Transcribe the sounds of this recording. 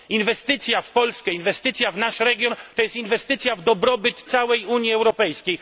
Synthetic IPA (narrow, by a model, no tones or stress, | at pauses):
invɛst̪ɘt̪sʲjafpɔlskɛinvɛst̪ɘt̪sʲjavnaʂɾɛɡʲjɔnt̪ɔjɛst̪invɛst̪ɘt̪sʲjavd̪ɔbɾɔbɘt̪t̪sawɛjuɲjiɛwɾɔpɛjskʲej